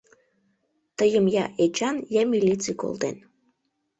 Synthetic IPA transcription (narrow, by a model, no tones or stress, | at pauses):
t̪əjəmjɑʔet͡ʃɑnjɑmʲilʲit͡sɨjko̰lˠd̪ḛn